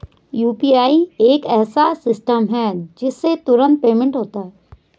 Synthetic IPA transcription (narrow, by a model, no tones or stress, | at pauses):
juːpiaːieːkɛːsasɪsʈəmɦɛd͡ʒɪsːet̪ʊɾə̃nt̪̚peːmẽɳʈɦoːt̪aɦɛː